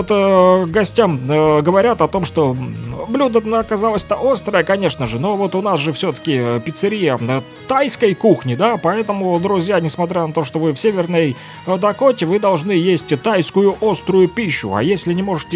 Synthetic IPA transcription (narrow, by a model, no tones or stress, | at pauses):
ot̪ɡɐsʲtʲamɡəvɐɾʲat̪ɐt̪o̞mʂt̪o̞blʲud̪ənəkɐzalˠəsʲt̪əʔo̞st̪ɾəjəkɐnʲe̞ʂnəʐɨno̞vo̞t̪ʊnasʐɨfsʲɵt̪ə̥kʲɪpʲɪt̪sɨɾʲijəə | t̪ajskəjkuxnʲɪd̪apɐɛt̪əmʊd̪ɾʊzʲjanʲɪsmɐt̪ɾʲanɐt̪o̞ʂt̪o̞vɨfsʲevʲɪrnəj | d̪ɐko̞tʲɪvɨd̪ɐlˠʐnɨjesʲtʲt̪ajskʊjʊʔost̪ɾʊjʊpʲiɕːʊ̰a̰jesʲlʲɪnʲɪmo̞ʐɨtʲɪ